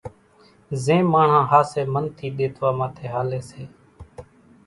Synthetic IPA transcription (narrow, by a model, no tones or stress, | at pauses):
zẽːmaːɳ̤ãːhaːseːmənt̪ʰiːɗ̪eːt̪ʰʋaːmãːt̪ʰeːɦaːleːseː